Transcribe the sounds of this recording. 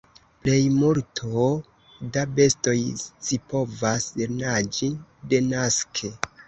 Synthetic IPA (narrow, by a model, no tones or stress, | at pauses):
ple̞jmuɾtʰo | dabe̞sto̞jsipo̞vaseɾnad͡ʒide̞naskʰe̞